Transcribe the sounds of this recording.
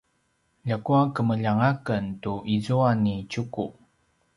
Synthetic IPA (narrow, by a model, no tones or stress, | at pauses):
ʎakuakəməʎaŋakəntuʔizuanːicuku